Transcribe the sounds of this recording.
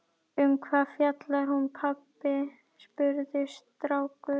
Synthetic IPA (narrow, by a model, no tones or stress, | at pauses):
ʏmkʰvaːfjat̪laɾ̥hunpʰapːɪ | spʏɾðɪst̪ɾaːwkʏ